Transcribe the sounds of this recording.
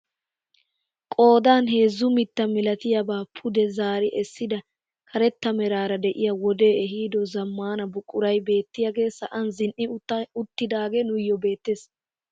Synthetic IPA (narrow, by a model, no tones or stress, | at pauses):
kʼo̞ːd̪aːnɦe̞ːzːʊmɪt̪ːɐmɪlɐt̪ɪjɐbaːpʰʊd̪ɛzaːɾɪʔɛsːɪd̪ɐ | kʰɐɾɛt̪ːɐmɛɾaːɾɐd̪ɛʔɪjɐwɔd̪eːɛɦiːd̪ɔzɐmːaːnɐbʊkʼːʊɾɐjbe̞ːt̪ːɪjaɡe̞ːsɐʔɐnzɪnʔɪʊt̪ːɪd̪aːɡenʊjːɔbe̞ːt̪ːeːs